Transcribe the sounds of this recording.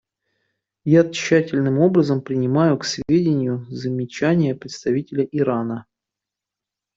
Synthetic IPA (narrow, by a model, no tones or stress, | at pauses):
jaɕːætʲɪlʲnɨmo̞bɾəzəmpɾʲɪnʲɪmajʊksvʲedʲɪnʲɪjʊzəmʲɪt͡ɕænʲɪjəpɾʲɪt̪st̪ɐvʲitʲɪlʲəʔɪɾanə